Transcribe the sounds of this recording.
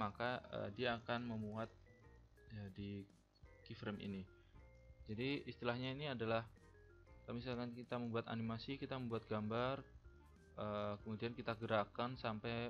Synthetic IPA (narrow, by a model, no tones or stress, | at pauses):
makaə̰diaːkanməmuat̪̚ | adi | kifɾɛmḭni | d͡ʒadiist̪ilahɲainiadalah | kamisalkankit̪aməmbuat̪a̰nimasikit̪aməmbuat̪̚ɡambar | ʔəkəmudiankit̪aɡəɾakansampaj